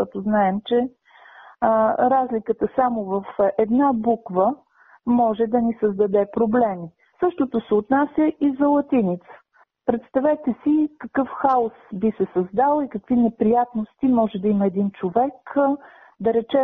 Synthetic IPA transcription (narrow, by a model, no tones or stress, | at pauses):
ɔt̪oznaɛmt͡ʃɛ | ɾazlikət̪əsamovɐfɛd̪nabukvə | mɔʒɛd̪ɐnisəzd̪ɐd̪ɛpɾoblɛmi | sɤʃt̪ot̪osɛot̪nasʲjəʔizɐlˠɐt̪init̪sə̥ | pɾɛt̪st̪ɐvɛt̪ɛsikɐkɤfxaosbisɛsɐzd̪alˠikəkvinɛpɾijat̪nost̪imɔʒɛd̪ɐiməɛd̪int͡ʃovɛk | d̪ɐɾɛt͡ʃɛ